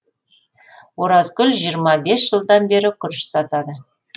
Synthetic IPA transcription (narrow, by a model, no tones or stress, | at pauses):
woɾɑzɡʲʏlʲʒijəɾmɑbe̞sʒ̥əlˠd̪ɑnbe̞ɾɪkʲʰʏɾʃɪ̥sɑt̪ɑd̪ə